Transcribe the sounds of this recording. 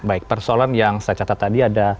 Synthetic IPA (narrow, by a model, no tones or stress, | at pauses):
baɪk̚pərsoalanjaŋsaat͡ʃat̪at̪ːadiada